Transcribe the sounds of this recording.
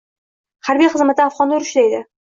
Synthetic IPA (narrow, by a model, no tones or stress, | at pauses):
haɾbijχɨzmat̪ɪafʁɒnːʊɾʊʃlajd̪ɪ